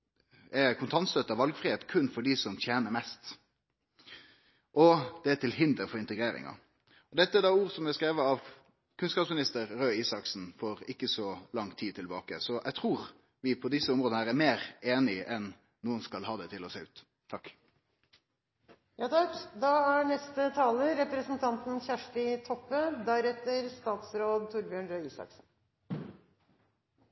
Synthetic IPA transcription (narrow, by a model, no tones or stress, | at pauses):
ɛkʰʊnt̪ʰɑnt̪st̪œt̪ːəɑʋɑlɡfɾɪheːt̪kʰʉnːfɔɖɪsɔmt̪ʰjeːnəɾmɛst̪ | ʔɔd̪̥ɛæt̪ɪlɦɪnd̪əɾfɔɾɪnt̪əɡɾeːɾɪ̰ŋɑ̰ | ɔd̪ɛt̪ːəɛd̪ɑːuːʁsɔmɛskɾeːʋəɾɑʋ | kʰʉnskɑːpsmɪnɪst̪əɾɾøːiːsɑksn̩fɔɾɪkːəsɔlɑŋt̪ʰiːd̪̚t̪ʰɪlbɑːkəsɔʔæɛɪt̪ʰɾuːɾ | ʋɪpʰɔd̪ɪsəɔmɾɔd̪nəhæːɾæɾmeːʁeːnɪʔɛn | nuːənskɑlhɑːd̪ɛt̪ʰɪlɔseːʉːt̪ʰː | ɑkː | jɑːt̪ʰɑkd̪ɑæɳɛst̪ət̪ʰɑːləɾɛpɾəsn̩t̪ʰɑnt̪n̩çæʂʈɪt̪ʰɔpːəd̪æɾɛt̪ːəɾst̪ɑːt̪sɾoːd̪t̪ʰʊɾbjøɳɾøːiːsɑ̰ksn̩